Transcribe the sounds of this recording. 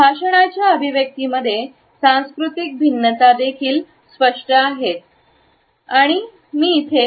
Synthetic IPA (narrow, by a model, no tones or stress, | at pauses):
bʱaʂəɳ̃at͡ɕjaəbʱiʋjək̚t̪iməd̪ʱːje | sãw̃skɾut̪ik̚bʱinːət̪ad̪ekʰiːl | spəʂʈəaɦet̪̚ | aɽ̃i | miːt̪ʰe